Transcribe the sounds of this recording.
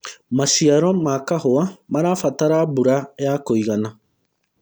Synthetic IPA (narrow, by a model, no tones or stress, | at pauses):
masiaɾɔmakahoamaɾafataɾabuɾajakoiɣana